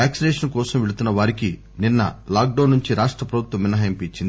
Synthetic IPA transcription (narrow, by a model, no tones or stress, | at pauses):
aːksinɛːʂɐnkɔːsɐmʋeɽut̪unːɐʋaːɾiki | ninːɐ̰laːk̚ɖɐːnːuɲt͡ʃiɾaːʂʈɾɐpɾɐbʱut̪ʋɐmːinːɐɦɐjɐmpit͡ʃːind̪i